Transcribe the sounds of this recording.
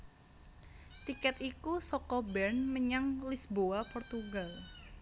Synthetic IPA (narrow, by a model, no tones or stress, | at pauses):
t̪ikɛt̪ikusɔkɔbɛrnməɲaŋlisboapɔrt̪uɡal